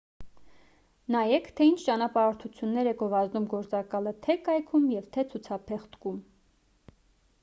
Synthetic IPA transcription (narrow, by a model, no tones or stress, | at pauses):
nɑjɛkʰt̪ʰɛint͡ʃʰt͡ʃɑnɑpɑɾɔɾt̪ʰut͡sʰjunːɛɾɛɡɔvɑznumɡɔɾt͡sɑkɑlət̪ʰɛkɑjkʰumjɛvt̪ʰɛt͡sʰut͡sʰɑpʰɛχt̪kum